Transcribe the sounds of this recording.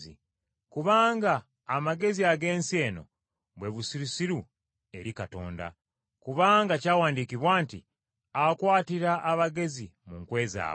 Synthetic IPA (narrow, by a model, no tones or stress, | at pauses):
i | kuβaːŋɡaː | maɡe̞ziaɡe̞ːnsie̞ːno̞̰ | βwe̞βusiɾisiɾu | e̞ɾikato̞̰ːnda̰ | kuβaːŋɡacaːwaːndikiβwaːntḭ | akwaːtiɾaʔːβaɡe̞zimuŋkwe̞ːza̰ː